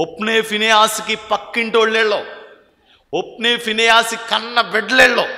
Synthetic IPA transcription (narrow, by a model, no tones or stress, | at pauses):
opneːfʰineaːsikipɐkːiɳʈoːɭleːɭːoː | op̚neːfineaːsikɐnːɐʋeɖleːɭːoː